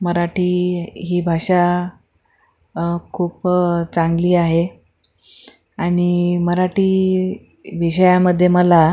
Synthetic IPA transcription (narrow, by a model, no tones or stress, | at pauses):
məɾaʈiːɦiːbʱaʂa | kʰuːpt͡sãŋɡliːaɦe | aɽ̃iməɾaʈiː | ʋiɕəjaməd̪ʱːjeməla